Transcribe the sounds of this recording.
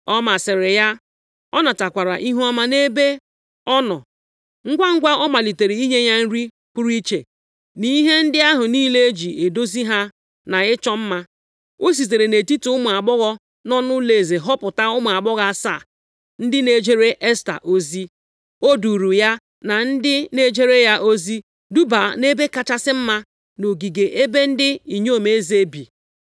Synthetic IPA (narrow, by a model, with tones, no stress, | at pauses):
ɔ˦ma˨sɪ˨ɾɪ˨ja˦ | ɔ˦nɔ˨ta˨kʷa˨ɾa̰˨ʔi˦ɦu˦ɔ˦ma˦ne˦be˦ | ɔ˦nɔ̰˨ | ŋ̩˦ɡʷa˦ŋ̩˦ɡʷa˦ɔ˦ma˨li˨te˨ɾi˨i˦ɲe˦ɲa˦n̩˦ɾi˦ | k͡pʊ˦ɾi˦t͡ʃe˨ | ni˦ɦe˦n̩˦dɪ˦a˦ɦʊ˨niː˦le˦e˦d͡ʒi˨e˨do˦zi˦ɦa˦ | na˨ɪ˦t͡ʃɔ˦m̩˦ma˦ | o˦s̬i˨ze˨ɾe˨ne˨ti˦tu˨˦ʊ˦mʊ˨a˨ɡ͡bɔ˦ɣɔ˦ | nɔ˦nʊ˦le˨ze˨ɦɔ˦pʊ˨ta˦ʊ˦ma˨a˨ɡ͡bɔ˦ɣa˦˨sa̰˦˨ | n̩˦dɪ˦ne˨d͡ʒe˦ɾe˦ʔe˦sta̰˨ʔo˦zi˦ | o˦du˨ɾu˨ja˦ | na˨n̩˦dɪ˦ne˦d͡ʒe˦ɾe˦ja˦ʔo˦zi˦ | du˦ba˨ne˦be˦ka˨t͡ʃa˦sɪ˦m̩˦ma˦ | no˨ɡi˨ɡe˨ʔe˦be˦n̩˦dɪ˦i˨ɲ˦o˦˨me˨e˦ze˦bi˨